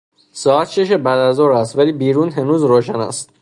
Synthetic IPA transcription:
sɒːæt̪ʃeʃ̬ebæːd̪æzoːɾæst̪væliːbiːɾuːnɦenuːzɾoːʃænæ̰st̪

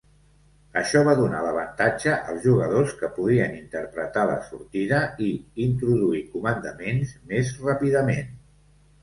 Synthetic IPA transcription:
əʃɔβ̞aðuna̰ləβ̞ənt̪ad͡ʒəʔəlˠzʒuɣəðoskəpuðiənint̪əɾpɾət̪alə̰suɾt̪iðəiint̪ɾuðuikumənd̪əmenzmezrapiðəmen

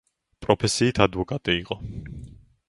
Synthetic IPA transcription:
pʼɾɔpʰɛsiit̪ʰad̪vɔkʼat̪ʼɛiqʼɔ

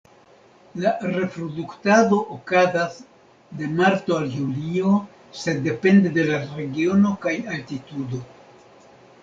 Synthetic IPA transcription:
laɾe̞fɾoduktado̞ʔokazas | de̞maɾto̞aljulio̞ | se̞dːe̞pe̞nde̞de̞laɾe̞ɡio̞no̞kajaltitudo̞

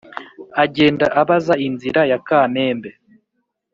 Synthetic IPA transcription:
aɟe̞ːndaʔaβazainziɾajakaːme̞ːmbe̞

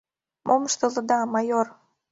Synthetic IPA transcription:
mʔoməʃt̪ə̆lɤ̆d̪ɑmɑjor

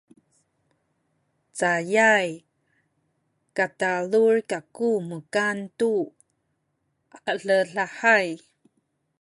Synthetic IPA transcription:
t͡sajaj | katalurkakuməkantu | əɬəɬaħaj

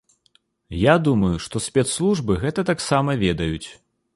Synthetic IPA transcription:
jad̪umɐjuʂt̪ɔsʲpʲɛt̪slˠuʐbɨɣɛt̪ɐt̪aksamɐvʲɛd̪ɐjut͡sʲ

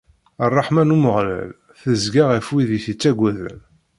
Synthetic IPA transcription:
ɑrˤːɑħmænuməʁlæ̰l | θəzɡaʁæfwiðiθit͡sːæɡʷæðə̰n

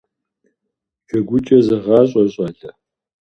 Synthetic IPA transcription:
t͡ʃʰɐɡʷʊt͡ʃʼɐzɐʁɑːɕʼɔɕʼɐɮɐ

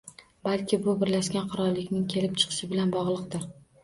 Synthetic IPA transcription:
balkʲʰɪbʊbɪɾlaʃkʲanqʰʊɾɒɾlːɪkʲnɪŋkʲʰe̞lɪp̚t͡ʃʰɨ̥qʰɨ̥ʃɪbɪlanbɒʁlˠɨq̚d̪ɪɾ

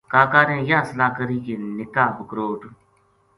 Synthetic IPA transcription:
kaːkaːɾẽːjaːsəlaːkəɾiːkeːnɪkaːbəkɾoːʈ

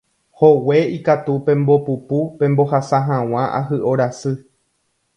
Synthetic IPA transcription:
ho̞we̞ikat̪upẽ̞mbo̞pupupẽ̞mbo̞hasaɦãw̃ãʔa̰ɦɨʔo̞ɾasɨ

